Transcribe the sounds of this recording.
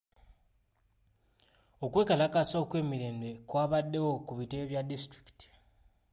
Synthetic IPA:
o̞kwe̞ːkalakasokwe̞ːmiɾe̞ːmbe̞kwaːβadːe̞wo̞kuβite̞βjadistɾi̥ki̥ti̥

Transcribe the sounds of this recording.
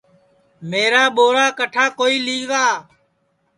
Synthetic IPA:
meːɾaːɓoːɾaːkəʈʰaːkoːiːliːɡaː

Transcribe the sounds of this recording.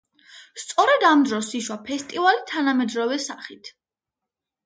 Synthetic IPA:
st̪sʼɔɾɛd̪amd̪ɾɔsiʃwapʰɛst̪ʼivalit̪ʰanamɛd̪ɾɔvɛsaχit̪ʰ

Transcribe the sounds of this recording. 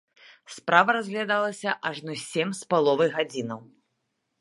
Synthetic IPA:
spɾavɐɾazʲɣlʲad̪alˠɐsʲɐʔaʐnɔsʲɛmʲspalˠɔvɐjɣad͡zʲinɐw

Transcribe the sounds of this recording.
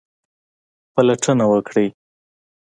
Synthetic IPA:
palaʈʰənawəkɽi

